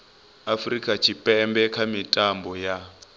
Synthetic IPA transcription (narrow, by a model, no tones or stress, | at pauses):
afrikʼat͡ʃʰipʼɛmbɛkʰamitʼambɔja